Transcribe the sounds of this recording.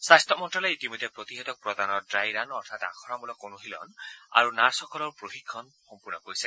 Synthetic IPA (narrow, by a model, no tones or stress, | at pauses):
sast̪ɔmɔnʈɾɔlɔit̪imod̪ʱjɔpɾɔt̪iɦet̪ɔk̚pɾɔd̪anɔɖɾajɾanɔɾt̪ʰat̪a̰kʰɔɾamulɔkonuɦilɔ̰na̰ɾunaɾsɔkɔlɔɾpɾoɦikʰːɔn | xɔmpuɾnɔkoɾise